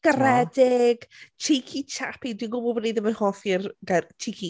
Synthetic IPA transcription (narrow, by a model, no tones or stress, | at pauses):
ɡ̥əɾɛdɪɡ̥t͡ʃʰijkʰit͡ʃʰapidwinɡʊbɔlˠbɔnejdəmənhɔθirɡɛt͡ʃʰɪkʰi